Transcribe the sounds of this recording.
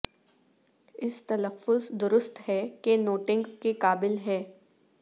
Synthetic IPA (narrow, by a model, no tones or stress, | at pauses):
ɪst̪ɐləfːʊzd̪ʊɾʊst̪ɦɛkenoːʈɪ̃ŋɡkekaːbɪlɦɛː